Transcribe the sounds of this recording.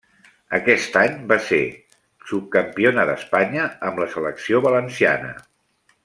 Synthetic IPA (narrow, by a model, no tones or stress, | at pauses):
əkɛst̪aɲbasḛ | sup̚kəmpionəðəspaɲəəmləsələksioβələnsia̰nə̰